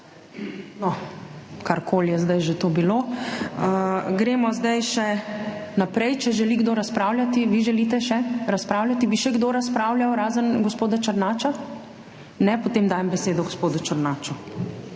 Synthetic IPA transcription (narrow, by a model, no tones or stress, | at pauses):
nɔ | kaɾkʰoːljɛzd̪ajʒet̪oːbiloəɡɾeːmɔzd̪ajʃɛnapɾɛjt͡ʃɛʒɛliɡd̪oːɾaspɾawlʲjat̪iʋiʒɛlit̪ɛʃɛɾaspɾaːwlʲjat̪ibiʃɛɡd̪oːɾaspɾaːwljawɾaːzənɡospoːd̪at͡ʃɐɾnaːt͡ʃa | nɛpɔt̪eːmd̪aːjɛmbɛseːd̪ɔɡospoːd̪ut͡ʃaɾnaːt͡ʃu